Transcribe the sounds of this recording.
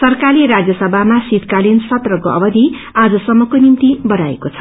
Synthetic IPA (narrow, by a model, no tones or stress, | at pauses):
sʌrkaɾiɾad͡zjʌsʌbʱamasit̪kalinsʌt̪rʌkoʔʌ̰bʌd̪ʱi | ad͡zʌsʌmːʌkonimt̪ibʌɾaḛkot͡sʰʌ̥